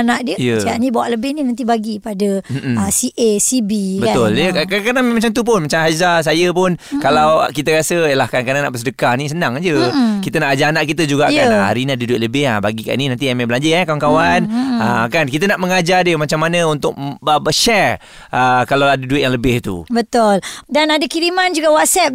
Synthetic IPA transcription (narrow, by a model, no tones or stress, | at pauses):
anaʔdiəijəsanibawaʔləbɪhninant̪ibaɡipadəəsiʔesibibət̪ʊljəakakadammat͡ʃamt̪up̬ʊnmat͡ʃamɦazas̬ajəpʊnkalawkit̪əɾasəjəlahkankadaŋnaʔbəsədəkahnis̬ənãŋad͡ʒəkit̪ənaʔad͡ʒaanaʔkit̪əd͡ʒuɡaʔkana̰ɾiniadəduɪt̪̚ləbɪhahbaɡika̰ʔninant̪iɛmɛblaɲd͡ʒəɛkawankawanəkankit̪ənaʔməŋad͡ʒardiəmat͡ʃamːanəunt̪ʊk̚əbəʃɛɹ | ʔəkalawadəduɪt̪̚jaŋləbɪht̪ṵbət̪ʊldanadakiɾimand͡ʒuɡawɔt̪̚sɛp̚